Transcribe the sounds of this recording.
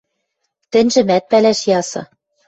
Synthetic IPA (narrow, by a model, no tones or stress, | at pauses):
t̪ɘ̆nʲʒɘ̆mæt̪̚pælæʃjɑsɤ̆